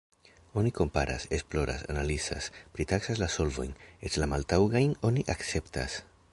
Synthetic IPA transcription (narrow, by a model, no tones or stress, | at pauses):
oniko̞mpaɾa̰sesploɾa̰sa̰nalisa̰spɾit̪aksazlasolvṵjnet̪lamalt̪awɣajnoniʔaksept̪a̰s